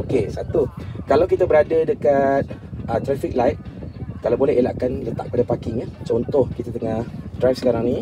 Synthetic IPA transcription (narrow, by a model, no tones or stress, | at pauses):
okesat̪ukalawk̬it̪abəɾadədəkat̪̚ət̪ɾafik̚lajt̪̚kalawbolɛɦela̰ʔkanlət̪aʔk̚əpadapakɪŋat͡ʃont̪ɔhkit̪at̪əŋahdɾajfsə̥kaɾaŋnĩ